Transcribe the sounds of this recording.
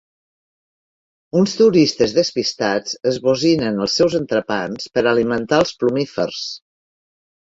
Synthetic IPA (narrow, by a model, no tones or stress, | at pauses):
unst̪uɾist̪əzðəspist̪at͡səzβuzinənəlˠsːɛwzənt̪ɾəpanspəɾəlimənt̪aəlˠsplumifə̰rs